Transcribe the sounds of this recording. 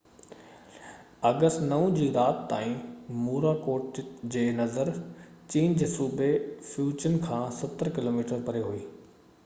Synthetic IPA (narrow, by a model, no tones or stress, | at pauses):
ɐɡəsʈnɐʊ̃d͡ʑiːɾaːt̪t̪a̰ːĩmuːɾakoːʈd͡ʑeːnɐzəɾt͡ɕiːnd͡ʑeːsuːbʱefjuːd͡ʑənkʰãːsɐt̪əɾkɪloːmiːʈəɾpɐɾeɦuiː